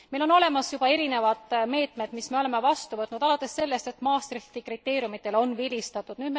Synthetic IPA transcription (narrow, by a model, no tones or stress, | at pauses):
mejlo̞no̞le̞mɑsjub̥ɑe̞ɾine̞vɑd̪̥me̞ːt̪med̪̥misme̞ole̞me̞vɑst̪uvɤt̪nud̪̥ɑlɑt̪ːˑe̞sːe̞lːe̞st̪e̞t̪ːˑmɑːst̪rit̪ikrit̪ːe̞ːɾjumit̪ːˑe̞lo̞nvilʲist̪ɑt̪ːˑud̥̪nyːd̪me